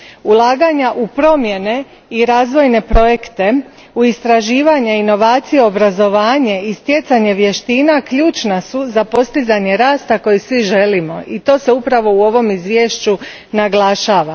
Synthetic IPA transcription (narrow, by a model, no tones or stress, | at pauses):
ulˠaːɡaɲaʔupɾo̞mje̞ne̞ | iɾaːzʋo̞jne̞pɾo̞je̞kt̪e̞ | uist̪ɾaʒiːʋaɲaino̞ʋaːt̪sijeo̞bɾazo̞ʋaːɲeist̪je̞t̪saɲe̞ʋje̞ʃt̪iːnakʎuːt͡ʃnasuzapo̞st̪izaɲe̞ɾaːst̪ako̞jisʋiʒe̞limo̞ʔit̪o̞ːse̞upɾaʋo̞uo̞ʋo̞mizʋjeːʃt͡ɕu | naɡlˠaʃaːʋa